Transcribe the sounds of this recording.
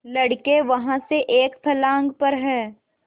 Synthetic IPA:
lɐɽkeʋɐɦãseʔeːkpʰɐlãːŋɡpɐɾɦɛː

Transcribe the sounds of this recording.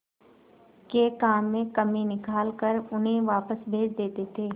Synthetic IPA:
keːkaːmːẽkɐminɪkaːlkəɾʊnɦẽʋaːpəsbʱeːd͡ʒd̪eːt̪et̪ʰeː

